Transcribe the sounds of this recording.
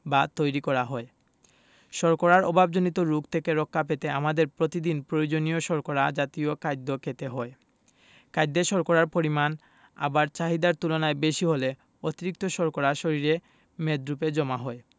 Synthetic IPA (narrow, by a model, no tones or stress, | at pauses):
bat̪ojɾikɔɾaɦɔe | ʃɔɾkoɾaɾɔbʱabd͡ʑonit̪oɾukt̪ʰekeɾɔkʰːapet̪eamad̪eɾpɾot̪id̪inpɾojod͡ʑonijoʃɔɾkoɾad͡ʑat̪iokajd̪ːokʰet̪eɦɔe | kajd̪ːeʃɔɾkoɾaɾpoɾiman | a̰baɾt͡ɕaɦid̪aɾt̪ulonaebeʃiɦole | ot̪iɾik̚t̪oʃɔɾkoɾaʃoɾiɾe | med̪ɾuped͡ʑɔmaɦɔe